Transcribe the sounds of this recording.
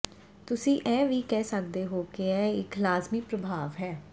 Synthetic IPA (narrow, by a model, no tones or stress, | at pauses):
t̪ʊsĩːʔɛ̃ːʋiːkɛːsək̚d̪eːɦoːkeɛːɪklaːzmiːpɾəbʱaːʋɦɛː